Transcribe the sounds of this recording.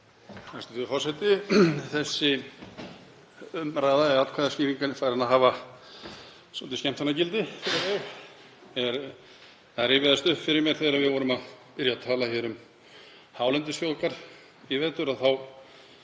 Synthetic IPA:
θast̪ʏθɪfɔsɛjt̪ɪθɛsːɪ | ʏmɾaːðaɛðat̪kʰaðasciːviŋkanɪfaɾanaðɦaːva | sɔt̪ɪscɛm̥t̪fanacɪlt̪ɪfɪɾɪɛ | ɛɾ | θaɛɾɪvɪðast̪ʏhpfɪɾɪɾmjɛɾ̥θejðɾaðvɪðvɔːɾʏmaðpɪɾjat̪ʰaːlaçɛːɾʏm | haːwlɛnt̪ɪsfjowlkaɾ̥ | ivɛːt̪ʏɾaðθaw

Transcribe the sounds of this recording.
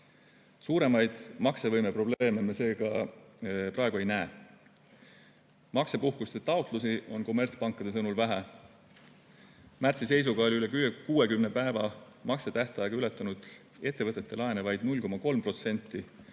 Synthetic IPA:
suːɾe̞mɑjd̪̥mɑkse̞vɤjmepro̞ble̞ːmemese̞ːɡɑ | prɑeɡ̥ue̞jnæe | mɑkse̞puhkust̪et̪ɑot̪ˑlusio̞nko̞mːe̞rt̪spɑŋkːˑɑd̪̥e̞s̬ɤnulvæɦe | mært̪sise̞js̬uɡ̥ɑo̞liyle̞kykuːe̞kymnepæevɑ | mɑkse̞t̪æht̪ɑjɑɡɑylet̪ːˑɑnud̪̥ | e̞t̪ːe̞vɤt̪ːˑet̪ːe̞lɑjenevɑjd̪̚nulʲko̞mɑko̞lmpro̞t̪se̞nʲt̪ˑːi

